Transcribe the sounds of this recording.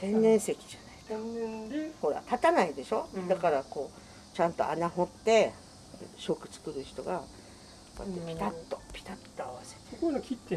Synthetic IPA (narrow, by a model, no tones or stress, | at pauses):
sẽ̞nːẽ̞ɰ̃se̞kʲi̥ʑanai | ho̞ɾa̰t̪at̪anaid̪e̞ɕo̞d̪akaɾako̞ː | t͡ɕãnt̪o̞̰ʔa̰naɦo̞t̪ːe̞ | ɕokɯ̟̥t͡sɨ̥kɯ̟ɾɯ̟çi̥t̪o̞ɡa | pːa̰epʲit̪at̪ːo̞pʲi̥t̪at̪ːoaβase̥tseo̥konokʰʲit̪ːe